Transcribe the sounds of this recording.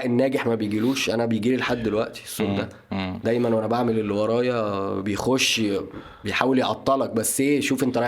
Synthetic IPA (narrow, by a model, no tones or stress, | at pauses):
ʔenːæːɡeħmæbejɡiluːʃʔænæbejɡiːlilħad̪ːelwæʔt̪i̥esːond̪æ | d̪æjmænwʔænæbaʕmelelːwɑɾˤɑːjɑbejxoʃː | bejħaːweljeʕɑt̪ˤːɑlɑk̚bæsːʔeːʃuːfʔent̪æɾˤɑ